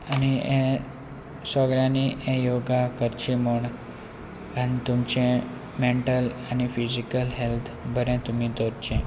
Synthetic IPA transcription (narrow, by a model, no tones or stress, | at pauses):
añiẽ | səɡɾjãniʔẽjoɡakəɾt͡ɕiməɳ | anit̪umt͡ɕẽ | meɳʈəlanifid͡ʑikəlɦelt̪ʰbʱəɾɛ̃t̪umid̪oɾt͡ɕẽ